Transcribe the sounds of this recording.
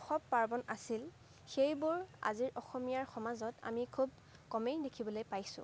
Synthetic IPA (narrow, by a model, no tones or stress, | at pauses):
ɔxɔpːaɹbɔnasil | xejbuɹa̰ziɹʔɔxɔmijaɹxɔmazɔta̰mikʰub̚ | kɔmejdekʰibɔlojpajsʊ̰̃